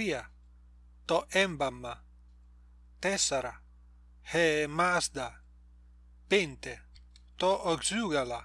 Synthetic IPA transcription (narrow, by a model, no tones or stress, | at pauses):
ia | t̪ɔʔɛmbamːa | t̪ɛsaɾa | hemasd̪a | pent̪e | t̪ɔʔɔɡzyɡala